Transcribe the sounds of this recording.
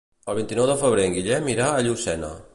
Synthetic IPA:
əlˠβ̞int̪inɔwðəfəβ̞ɾeŋɡiʎɛmiɾaəʎusɛnə̰

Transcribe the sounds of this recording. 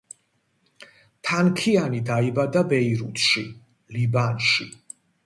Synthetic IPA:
t̪ʰankʰianid̪aibad̪abɛiɾut̪ʰʃi | libanʃi

